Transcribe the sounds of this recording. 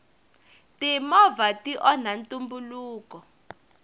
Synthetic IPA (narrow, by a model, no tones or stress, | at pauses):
timɔvatiʔɔnantʼumbuluːkɔ